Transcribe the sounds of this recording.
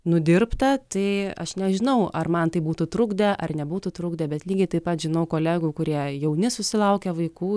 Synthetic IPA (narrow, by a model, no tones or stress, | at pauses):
nʊd̪ʲɪrpt̪ɐt̪ɐɪɐ̰ʃnʲɛʒʲɪnɐʊɐrmɐnt̪ɐɪbuːt̪ʊt̪ɾʊɡd̪ʲɛʔɐrnʲɛbuːt̪ʊt̪ɾʊɡd̪ɛbʲɛt̪lʲiːɡʲɪt̪ɐɪpɐt̪ʒʲɪnɐʊkoːlʲæːɡuːkʊɾʲiɛjɛʊnʲɪsʊsʲɪlˠɐʊkʲɛʋɐɪkuː